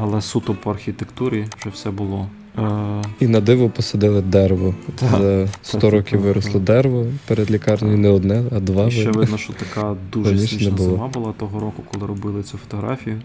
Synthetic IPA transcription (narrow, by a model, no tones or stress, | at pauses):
ɐlˠɛsut̪ɔpɔɐrxʲit̪ekt̪uɾʲiʃt͡ʃɔwsɛbʊlˠɔ | inɐd̪ɪʋʊpɔsɐd̪ɪlˠɪd̪ɛɾʋɔzɐst̪ɔɾɔkʲiʋʋɪɾɔslˠɔd̪ɛɾeʋɔpeɾed̪lʲikɑrnɔjʊnɛɔd̪nɛɐd̪ʋɑʋɛʋɪnɐʃt͡ʃɔt̪ɐkaɑd̪uɾɐnʲiʃɛnɛbʊlˠɔmɑbʊlˠɑt̪ɔɦɔɾɔkʊ̥kɔlˠɪɾɔbɪlˠɪt͡sʲufɔ̥t̪ɔɦɾɑ̰fʲijʊ